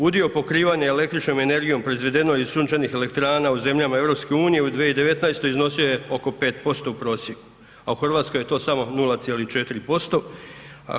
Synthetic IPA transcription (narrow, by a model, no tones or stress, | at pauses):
ud̪io̞po̞kɾiːʋaɲeele̞k̚t̪ɾit͡ʃno̞me̞ne̞ɾɡijo̞mpɾo̞izʋe̞d̪e̞no̞jiz̥suːnt͡ʃanixe̞lekt̪ɾaːnauze̞mʎamae̞ʋɾo̞pske̞uːnije̞ud̪ʋijeid̪eʋe̞t̪naest̪oizno̞sioje̞o̞ko̞pe̞ːt̪̚po̞st̪o̞upɾo̞ːsjeku | auxrʋaːt̪skoje̞t̪o̞ːsamo̞nulˠat̪sjelit͡ʃe̞t̪iɾipo̞st̪o̞a̰